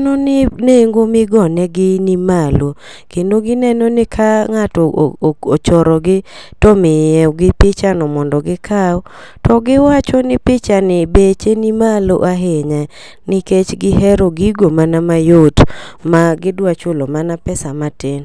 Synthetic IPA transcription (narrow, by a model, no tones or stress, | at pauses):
nɔnɪneŋɡomɪɡɔnɛɡɪnimalo | kendoɡɪnɛnɔnɪkʰaŋatɔot͡ʃɔɾɔɡɪtɔmɪjɛɡɪpɪt͡ʃanɔmɔndɔɡɪkʰaɔ | tɔɡɪwat͡ʃɔnɪpɪt͡ʃanɪbet͡ʃenimalo̰ʔaɦeɲa | nɪket͡ʃɡɪɦɛɾoɡiɡomanamajotmaɡɪdwat͡ʃolɔmanapɛsamaten